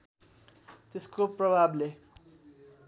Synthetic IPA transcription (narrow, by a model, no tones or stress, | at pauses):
t̪eskoprʌbʱable